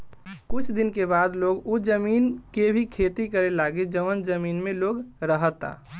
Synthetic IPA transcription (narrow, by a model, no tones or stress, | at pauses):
kʊt͡ʃʰd̪inkebad̪loɡud͡ʒəmiːnkebʱikʰet̪ikəɾelaɡed͡ʒəʋənd͡ʒəmiːnmẽloːɡɾəɦət̪ːa̰